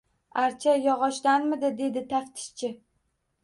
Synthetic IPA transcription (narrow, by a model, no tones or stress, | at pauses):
aɾt͡ʃʰajɒʁɒʃlanmɪd̪ɪd̪e̞d̪ɪt̪ʰaft̪ʰɪ̥ʃt͡ʃʰɪ